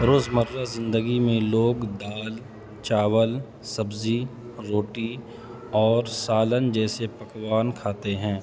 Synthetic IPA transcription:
ɾoːzməɾːazɪ̃nd̪əɡimẽloːɡd̪aːl | t͡ʃaːwəl | sɐbzi | ɾoːʈi | ɔːɾsaːlənd͡ʒɛːsepɐkwaːnkʰaːt̪eɦɛ̃ː

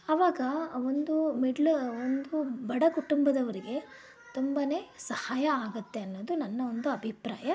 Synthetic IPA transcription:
ɐʋaːɡɐond̪umiɖɐlond̪ubɐɽɐkuʈumbɐd̪ɐʋɐɾiɡe̞ | t̪umbɐne̞ːsɐhaːjɐaːɡut̪ːe̞ɐnːoːd̪unɐnːɐond̪uɐbʱipɾa̰ːjɐ

